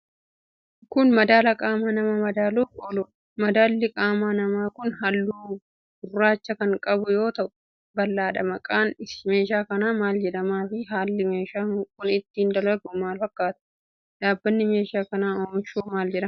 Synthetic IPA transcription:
kʊnmɐd̪aːlɐkʼaːmaːnɐmɐmɐd̪aːluːkʼoːlʊ | mɐd̪aːlːɪkʼaːmaːnɐmaːkʊnɦɐlːuː | bʊrːaːt͡ʃːɐkɐŋkʼɐbʊjo̞ːt̪ɐʔʊ̥ | bɐlːaːᶑɐmɐkʼaːnɪme̞ːʃaːkɐnaːmaːld͡ʒɛᶑɐmaːfɪɦaːlːɪme̞ːʃaːkʊnɪt̪ːɪnd̪ɐlɐɡʊmaːlfɐkːaːt̪ɐ̥ | ᶑaːbːɐnːɪme̞ːʃaːkɐnaːoːmɪʃoːmaːld͡ʒɛᶑɐm

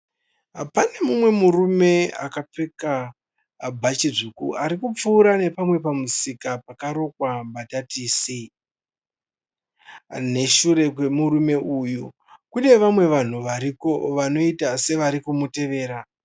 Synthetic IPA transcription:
ɦapane̞mumwe̞murume̞a̰kap͡feka | bʱat͡ʃiʐukuaɾikup͡fuːɾane̞pamwe̞pamusikapakaɾo̞kwambatatʰise | ne̞ʃuɾe̞kwe̞murume̞ʔuju | kune̞ʋamwe̞ʋan̤uʋaɾiko̞ʋano̞itase̞ʋaɾikumute̞ʋe̞ːɾa

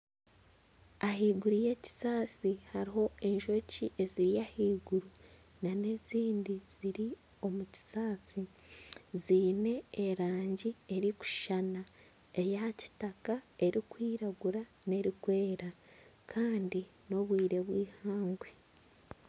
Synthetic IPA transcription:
aɦiːɡuɾuje̞ci̥saːt͡sihaɾiɦo̞e̞ɲʒo̞ciʔe̞ziɾijahiːɡuɾu | nane̞ziːndiz̥iɾi | o̞muci̥saːt͡si | ziːne̞ːɾaːɲɟie̞ɾiku̥ʃana | e̞jaci̥takae̞ɾikwiːɾaɡuɾa | ne̞ɾikwe̞ːɾa | kʰaːndi | no̞βwiːɾe̞βwiːhaːŋɡwe

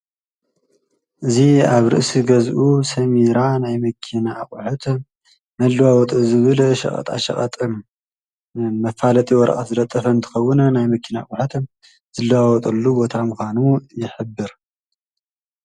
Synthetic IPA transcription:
ʔɨziaβɾɨ̰ʔsiɡɐzʔusɐmiɾanajmɐkʰinakʼħut̪ʰ | mɐlːɨwawɔt̪ʼɨzɨβɨlʃɐ̰χʼɐ̰t̪ʼa̰ʃɐ̰χʼɐt̪ʼɨm | ɐfalɐt̪ʼiwɔɾɐ̰ʔʼɐt̪zɨlɐt̪ʼːɐfɐnt̪ʰɨ̥xɐwːʊnɐnajmɐkʰːinakʼħɨt̪ʰɨm | zɨlːɐwawɔt̪ʼɐlːubo̞t̪ʰamɨxʷanujɪħɨbːɨɾ

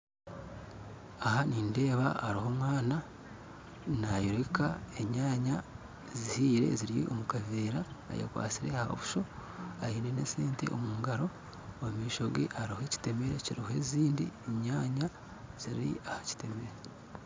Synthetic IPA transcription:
ahaniːnde̞ːβaːɾiho̞mwaːna | najoɾekae̞ɲaːɲa | zihiːɾe̞̰ziɾijḭʔomukaveːɾa̰ːja̰kwa̰ːt͡siɾe̞hao̰βu̥ʃo̞aiːneneseːntḛʔo̰muːŋɡaɾo̞ː | mumiːʃo̞ɡḛʔaɾihoeci̥te̞me̞ɾe̞ciɾihoe̞ziːndḭeɲaːɲa | z̥iɾḭahaci̥te̞me̞ɾe

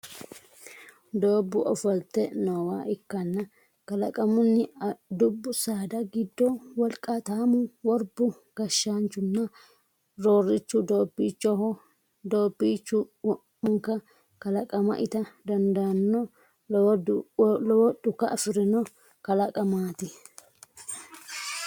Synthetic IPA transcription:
d̪oːbːʊʔɔfɐlt̪ːɛnoːwaːʔɪkːɐnːɐ | kɐlɐkʼɐmʊnːɪd̪ʊbːʊsaːd̪ɐɡɪd̪ːɔwɔlkʼːɐt̪aːmʊwɔɾbʊ | ɡ̥ɐʃːant͡ʃːʊnːɐ | ɾoːrːɪt͡ʃːʊd̪oːbːiːt͡ʃːɔɔ | d̪oːbːiːt͡ʃːʊ | ʊŋkːɐ | kɐlɐkʼɐmɐ̰ʔɪt̪ɐd̪ɐnd̪ɐnːɔ | ɔwɔd̪ʊkːɐʔɐfɪɾɪnɔ | kɐlɐkʼɐmaːt̪ɪ

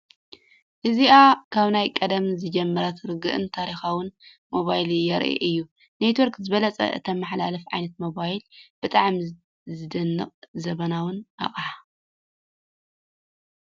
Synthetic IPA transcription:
ʔɨziakʰaβnajkʼɐd̪ɐmzɨd͡ʒɛmːɐɾɐt̪ʰɾɨɡɨʔɨ̰nt̪ʰaɾixawɨn | moβajljɛɾʔḛʔɨjːu | ne̞t̪woɾkzɨβɐlɐt͡sʼɐ̰ʔɨ̰t̪ʰɐmaħlalɐfʕa̰jnɐt̪̚mo̞βajilb̥ɨt̪ʼaʕm | zɨd̪ɐnːɨqʼzɐβɐnawʊnʔa̰χʼaħa

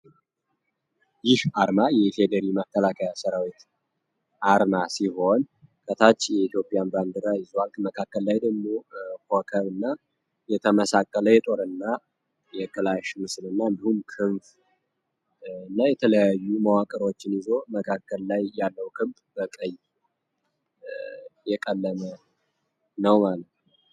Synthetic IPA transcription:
jɪhaɾmajɛfe̞d̪əɾiməkʰːəlakʰəjasəɾawit̪ | ʔaɾmasiɦo̞n | kʼʰət̪ʰat͡ʃːjɛit̪jo̞pʼjanband̪ɨɾaɪzalkməkʰakːəllajd̪əɡmo̞hokʰəβɨnːa | jɛt̪ʰəməsakʼːələjɛt̪ʼo̞ɾɨnːa | jɛkʰɨlaʃmɨslɨnːaɨnd̪ihumkʰɨɱf | ɨnːajɛt̪ʰələjajːumawakʼəɾo̞t͡ʃːɪnɪzo̞məkʰakːəlːajːalːəwkʰɨβb | bəkʼəj | jɛkʼəlːəmə | nəwmalət̪n

